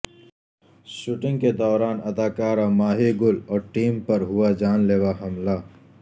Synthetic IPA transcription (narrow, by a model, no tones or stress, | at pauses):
ʃuːʈɪ̃ŋɡked̪ɔːɾaːnɐd̪aːkaːɾamaːɦiɡʊlɔːɾʈiːmpɐɾɦuwad͡ʒaːnleːwaɦɐmlaː